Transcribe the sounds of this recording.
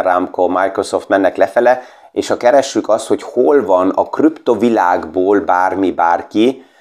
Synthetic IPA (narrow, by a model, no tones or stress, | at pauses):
ramkomajkro̞soft̪mɛnːɛklɛfɛlɛ | eːʃhɒkɛɾɛʃːykɒst̪ho̞cholvɒnɒkrypt̪ovilaːɡboːlbaːrmibaːrki